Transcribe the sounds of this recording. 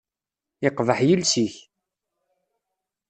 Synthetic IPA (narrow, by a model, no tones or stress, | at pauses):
ɪqːðəħjəlsiç